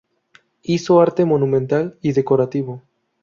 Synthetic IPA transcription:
isoaɾt̪emonũmẽnt̪aliðekoɾat̪iβo

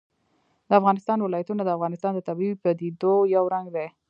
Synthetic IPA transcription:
d̪̥əafɣɑnɪst̪ɑnwɪlɑjat̪unad̪əafɣɑnɪst̪ɑnd̪ət̪abiwpəd̪id̪ojawɾaŋɡd̪e

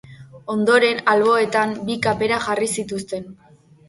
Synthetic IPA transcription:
o̞nd̪o̞ɾe̞nalβo̞e̞t̪ambikape̞ɾaʝarisit̪ust̪e̞n

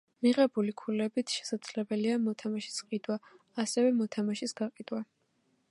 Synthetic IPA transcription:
miʁɛbulikʰulɛbit̪ʰʃɛ̥sad̪z̥lɛbɛliamɔt̪ʰamaʃi̥sqʼid̪wa | asɛvɛmɔt̪ʰamaʃisɡaqʼid̪wa

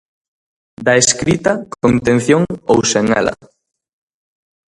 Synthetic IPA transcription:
d̪ɐeskɾit̪ɐkont̪ẽn̟θjoŋowseŋɛ̰lɐ̰

